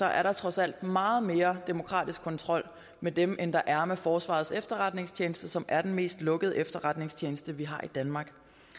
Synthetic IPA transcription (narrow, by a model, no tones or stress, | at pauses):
sɒ̽ʔæɐɾɑ̈t͡sʰʁɒ̽sæl̰d̥mɑ̈ːð̞̩ˠme̝ːɐd̥emo̝kʰʁɑ̰̈ːd̥isɡ̥̚kʰɒ̽nt͡sʰʁɒ̽l̰ | med̥emʔend̥ɑ̈ʔæɐmefɒːsʋɑ̰̈ːð̩ˠsefd̥ɐʁɑ̈d̥ne̝ŋst͡ɕʰeːnəsd̥əsɒ̽mʔæɐd̥enme̝̰ːsd̥lɔ̽ɡ̥əðˠʔefd̥ɐʁɑ̈d̥ne̝ŋst͡ɕʰeːnəsd̥əʋiɦɑ̈id̥ænmɑ̈ːɡ̥